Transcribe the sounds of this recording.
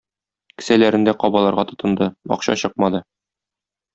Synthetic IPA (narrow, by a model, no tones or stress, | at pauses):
kɘ̥̆sælæɾɘ̆nd̪æqɒbɑlˠɑɾʁɑt̪ŏt̪ɤ̆nd̪ɤɒ̰qɕɑ̰ɕɤq̚mɑd̪ɤ